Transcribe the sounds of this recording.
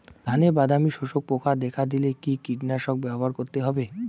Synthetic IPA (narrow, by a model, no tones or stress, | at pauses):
d̪ʱanebad̪ʱamiʃoʃok̚pokʰad̪ɛkʰad̪ilekikiʈnaʃɔk̚bɛboɦaɾkoɾt̪eɦɔbe